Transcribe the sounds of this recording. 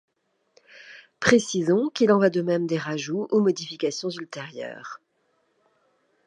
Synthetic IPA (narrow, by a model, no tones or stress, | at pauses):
pχesizɔ̃kilɑ̃vwad̪əmɛmd̪eʁaʒuʔumɔd̪ifikasjɔ̃zylt̪eʁjœ̰ːʁ